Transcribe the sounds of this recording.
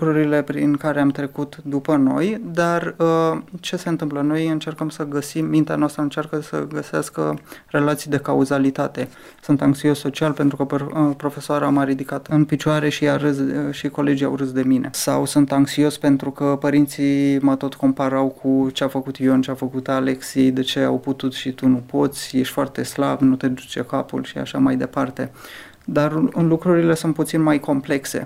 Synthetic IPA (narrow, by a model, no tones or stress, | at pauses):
kɾuɾile̞pɾinkaɾeamt̪ɾe̞kut̪d̪upəno̞jd̪arət͡ʃese̞ɨnt̪ɨmpləno̞jɨnt͡ʃe̞rkəmsəɡəsimːint̪eanoast̪ɾəɨnt͡ʃarkəsə̰ɡəseaskəre̞lat̪sijd̪e̞kauzalit̪at̪e̞ | sunt̪aŋksio̞sːo̞t͡ʃialpe̞nt̪ɾukəppɾo̞fe̞soaɾaməɾid̪ikat̪ɨnpit͡ʃoaɾe̞ʃiaɾɨsʃiko̞le̞d͡ʒija̰wrɨsd̪e̞mine̞̰sawsunt̪aŋksio̞spe̞nt̪ɾukəpəɾint̪simət̪o̞t̪ko̞mpaɾawkʰut͡ʃeafəkut̪jont͡ʃeafəkut̪aleksiejd̪e̞t͡ʃe̞a̰wput̪ut̪ʃit̪unupo̞t̪sʲjeʃt̪foart̪e̞slabnut̪e̞d̪ut͡ʃe̞kapṵlʃia̰ʃamajd̪e̞part̪e̞ | d̪arlukɾuɾile̞sunt̪̚put̪sinmajko̞mple̞kse̞̰